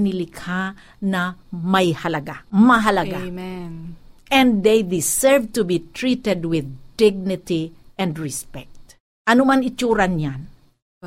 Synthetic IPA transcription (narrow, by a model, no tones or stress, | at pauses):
nɪlɪkʰa | nɐmɐjhɐlɐɡamɐɦalɐɡa | ʔɛ̃nd̪d̪ejd̪ɪsɛɹvt̪ʊbit̪ɹit̪ɛd̪wɪðd̪ɪɡ̚nɪt̪iʔɛ̃nd̪ɹɪspɛk̚t̪ | ʔɐnomanɪt͡ʃuːɾanjan